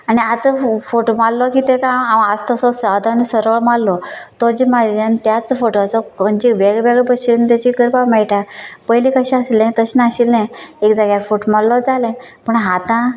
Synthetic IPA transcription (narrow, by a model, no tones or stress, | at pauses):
aniat͡səfoʈomallɔkit̪ekãaəst̪ɔsɔsad̪ʱanisəɾɭmallɔt̪ɔd͡ʑimad͡ʑant̪jat͡sfoʈoat͡sɔməɳd͡ʑeʋeɡʋeɡɭbəɕint̪jat͡ɕikəɾpamɛɭʈapəjlĩkəɕɛ̃əslɛ̃t̪əɕinaɕilɛ̃ekd͡zaɡjaɾfoʈomallɔd͡zalɛ̃pəɳɦat̪ã